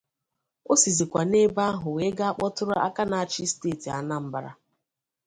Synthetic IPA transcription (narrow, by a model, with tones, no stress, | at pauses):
o˦si˨zi˨kʷa˨ne˦ba˦ɦʊ˨we˨˦ɡa˦a˦k͡pɔ˦tʊ˦ɾʊ˦ʔa̰˦ka˦na˨a˨t͡ʃi˦steː˦˨ti˨a̰˨na˦m̩˦ba˨ɾa̰˦